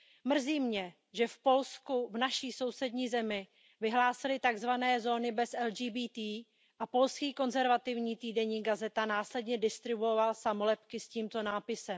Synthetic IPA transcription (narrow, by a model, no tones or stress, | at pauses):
mr̩ziːmɲɛ | ʒɛfpo̞lskuvnaʃiːso̞wsɛdɲiːzɛmɪ | vɪɦlaːsɪlɪt̪aɡzvanɛːzo̞ːnɪbɛsʔɛlʒiːbiːt̪iː | ʔapo̞lskiːko̞nzɛɾvat̪ɪvɲiːt̪iːdɛɲiːɡazɛt̪anaːslɛdɲɛdɪst̪ɾɪbuovalsamolɛpkɪsciːmt̪o̞naːpɪsɛm